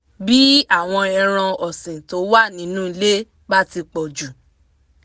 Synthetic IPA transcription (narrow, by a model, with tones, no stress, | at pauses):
bi˦a˦˨w̃ɔ̃˧ɛ˧ɾ̃ã˧ɔ˨sĩ˨to˨˦wa˦˨nĩ˨˦nũ˦˧le˦ | ba˦ti˧k͡pɔ˨d͡ʒu˨